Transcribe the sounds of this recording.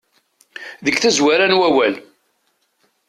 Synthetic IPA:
ðəɡθæzwæɾænwæwæl

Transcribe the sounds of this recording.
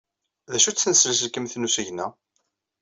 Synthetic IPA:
ðæʃut͡sːnəslæsəlkːəmθnusiʝnæ

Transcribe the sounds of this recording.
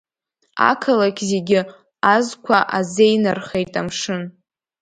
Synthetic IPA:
a̰kʰalakʲʰʼzeɡʲɪ | azkʷʰaʔazejnɨrχejtʼamʂɨn

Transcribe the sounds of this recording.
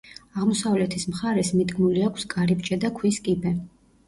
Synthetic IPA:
aʁmɔsavlɛt̪ʰismχaɾɛsmid̪ɡmuliakʷʰskʼaɾibt͡ʃʼɛd̪akʰwiskʼibɛ

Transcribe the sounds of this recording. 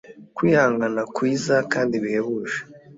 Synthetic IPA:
kwiːhaːŋɡanakwiːzakaːndiβiheβuːʒe̥

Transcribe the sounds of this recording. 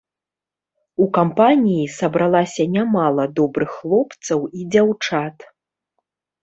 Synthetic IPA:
ukampanʲijisɐbɾalˠasʲɐnʲamalˠɐd̪ɔbɾɨxːlˠɔpt̪sɐwid͡zʲawt͡ʂat̪

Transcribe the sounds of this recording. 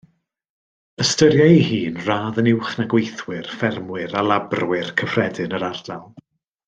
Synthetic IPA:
əstəɾjaihiːnraːðənɪwχnaɡwejθwɪrfɛrmwɪɾalˠabrwɪrkʰəfrɛdɨnəɾardalˠ

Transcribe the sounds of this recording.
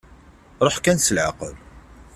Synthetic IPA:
ɾˤoħkænsəlʕaqə̰l

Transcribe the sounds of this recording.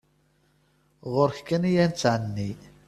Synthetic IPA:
ʁʊɾçkænijænt͡sːʕənːi

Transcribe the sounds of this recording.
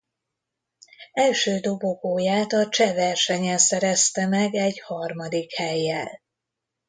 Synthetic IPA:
ɛlʃøːd̪oboɡoːjaːt̪ɒt͡ʃɛvɛrʃɛɲɛnsɛɾɛst̪ɛmɛɡɛɟhɒrmɒd̪ikhɛjːɛl

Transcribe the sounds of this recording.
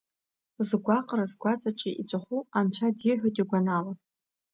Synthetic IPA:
zɡʷaqʼɾazɡʷat͡sʼat͡ʃʼiʔḭt͡ɕʷʼaχʷuant͡ɕʷʰadiħʷᶣotʼiɡʷanala

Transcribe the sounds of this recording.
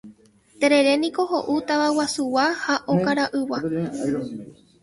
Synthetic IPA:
t̪eɾe̞ɾe̞nĩko̞ɦo̞ʔut̪aβawasuwahaʔokaɾaʔɨwa

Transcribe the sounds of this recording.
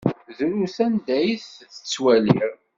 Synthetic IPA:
ðɾuθænd̪æjθθə̥t͡sːwæliɾ

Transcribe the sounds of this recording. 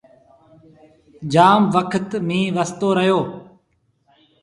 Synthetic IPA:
d͡ʒaːmʋəkʰət̪mĩːʋəst̪oːɾəɦjoː

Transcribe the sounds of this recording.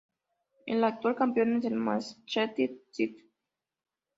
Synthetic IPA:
ḛnlak̚t̪ualkampionezelmast͡ʃɛt̪it͡sit̪

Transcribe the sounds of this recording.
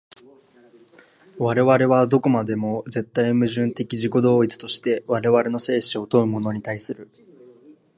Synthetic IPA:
βaɾe̞βaɾe̞β̞ad̪o̞ko̞mad̪e̞mo̞ze̞t̪ːaimɯ̟ʑɨ̃nt̪e̞kʲiʑiko̞d̪o̞ːit͡sɨ̥t̪o̞ɕi̥t̪e̞βaɾe̞βaɾe̞no̞se̞ːɕio̞t̪o̞ɯ̟mo̞no̞ɲ̟it̪aisɨɾɯ̟

